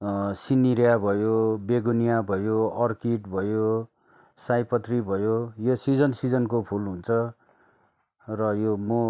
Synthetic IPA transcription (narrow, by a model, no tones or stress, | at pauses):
siniɾjabʱʌjobeɡunijabʱʌjoʌrkiʈbʱʌjo | sajpʌt̪ribʱʌjojosid͡zʌnsid͡zʌnkopʰulɦunt͡sʰʌ | rʌjomo